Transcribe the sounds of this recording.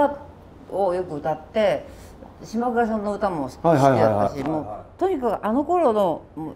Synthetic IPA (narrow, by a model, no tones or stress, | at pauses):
a | ojo̞kɯ̟ɯ̟t̪at̪ːe̞ | ɕimakɯ̟ɡas̬ãnːoɯ̟t̪amo̞ɕaejat̪ːaɕimoːt̪o̞ɲ̟ikakɯ̟ʔano̞ko̞ɾo̞no̞mo